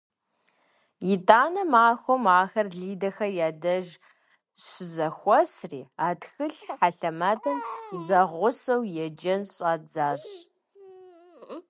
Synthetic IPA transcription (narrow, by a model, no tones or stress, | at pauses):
jɪtʼaːnɐmaːxʷɔmaːxɐrɮiːdɐxɐjaːdɐʒ | ɕɪzɐxʷɔsriːaːtxɨɬħaɬɐmatʰɐmzɐʁʷʊsɐwjɛd͡ʒɐnɕʼaːd͡zaːɕ